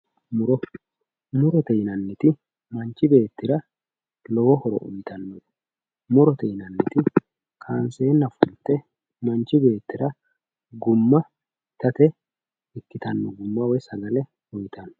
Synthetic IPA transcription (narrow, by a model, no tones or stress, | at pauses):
mʊɾɔ | mʊɾɔt̪ɛjnɐnːɪt̪ɪ | mɐnt͡ʃːɪbe̞ːt̪ːɪɾɐ | lɔwɔhɔɾɔ̰ʔʊ̰jt̪ɐnːɔ | mʊɾɔt̪ɛjnɐnːɪt̪ɪ | kʰaːnse̞ːnːɐfʊnt̪ːɛ | mɐnt͡ʃːɪbe̞ːt̪ːɪɾɐ | ɡʊmːɐ | t̪ɐt̪ɛ | ɪkːɪt̪ɐnːɔɡʊmːɐwɔjsɐɡɐlɛ | ʊjt̪ʰɐn